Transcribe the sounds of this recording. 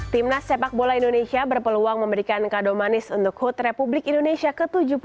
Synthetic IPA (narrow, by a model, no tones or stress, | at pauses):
t̪imnasepak̚bolaindonesiabərpəluaŋməmbəɾikankadomanɪsunt̪ʊk̚hut̪republɪkindonesiakət̪ud͡ʒup